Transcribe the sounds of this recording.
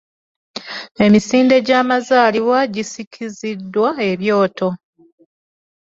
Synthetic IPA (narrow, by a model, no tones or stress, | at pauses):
e̞misiːnde̞ɟaːmazaːliwaɟisicʰizidːwae̞βjo̞ːtʰo̞